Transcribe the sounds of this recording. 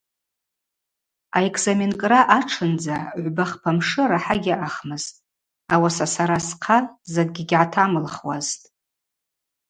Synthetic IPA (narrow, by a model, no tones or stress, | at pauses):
aekʰʼzamenkʼraʔaʈ͡ʂʰɨnd͡zaʕʷbaχpʰamʂɨɾaħaɡʲɪʔaχmɨz̥tʼ | awasasaɾasqʰazɨk̚ʼɡʲiɡʲʕatʰamɨlχwa̰ztʼ